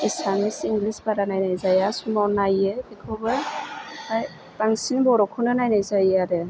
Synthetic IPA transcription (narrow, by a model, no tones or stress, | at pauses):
isamisiŋɡlisbaɾanajnajzajasumawnajɯekʰɔwbɯ | aj | taŋsinbɔɾɔkʰunɯnajnajzajeaɾɯ